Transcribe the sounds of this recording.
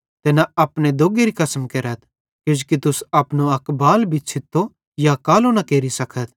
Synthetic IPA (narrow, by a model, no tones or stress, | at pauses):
t̪eːnaɐpned̪oːɡeɾikɐsəmkeːɾət̪̚ʰ | kod͡ʒkit̪ʊsɐpnoɐkbaːlbʱit͡ʃʰɪt̪ʰːo | jakaːlonakeːɾisɐkʰət̪̚ʰ